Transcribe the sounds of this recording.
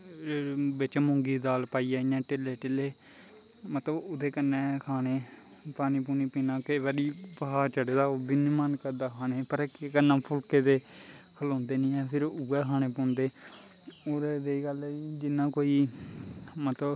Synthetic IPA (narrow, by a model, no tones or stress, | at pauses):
bɪt͡ʃmõːŋɡiːd̪aːlpaːiːɛːɪãːʈɪleːʈɪleː | mət̪ləbʊd̪eːkənːẽːkʰaːneː | paːniːp̬uːniːpiːnãːkeʋəɾiːpəɦaːt͡ʃəɽeːd̪aːoːbɪniːmənkəɾd̪aːkʰaːneːpəɾkːkənːãːpʰʊlkeːd̪eːkʰəlõːnd̪eːnĩːɛːpʰɪɾuːɛːkʰaːñeːpõːnd̪eː | oːɾd̪eɡəlːid͡ʒɪnːãːkoːiː | mət̪ləb